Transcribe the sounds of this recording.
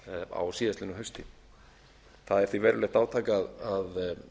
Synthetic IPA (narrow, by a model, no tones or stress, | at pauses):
a̰wsiːðasɪnʏɦœst̪ʰi | θaðɛɾ̥θvivɛːɾʏlɛht̪aːwt̪ʰaːjkaðað